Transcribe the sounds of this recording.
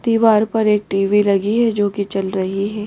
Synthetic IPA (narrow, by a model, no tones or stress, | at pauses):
t̪iːʋaːɾpɐɾeːk̚ʈiːʋilɐɡiɦɛd͡ʒoːkit͡ʃɐlɾɐɦiɦɛː